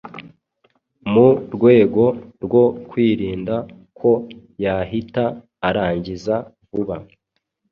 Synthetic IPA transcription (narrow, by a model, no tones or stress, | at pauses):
muɾɡwe̞ːɡo̞ɾɡo̞kwiːɾiːnda | kʰo̞ | jaɦitaː | ɾaːɲɟizavuβa